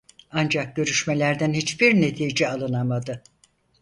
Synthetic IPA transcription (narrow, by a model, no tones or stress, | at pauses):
and͡ʒak̚ɟø̞ɾyʃmelʲæɾd̪ænhit͡ʃbiɾne̞t̪ʰiːd͡ʒɛalˠɯnamad̪ɯ